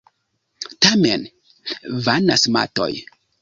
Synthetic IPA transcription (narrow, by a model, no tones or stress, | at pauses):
tamen | vanasma̰to̰j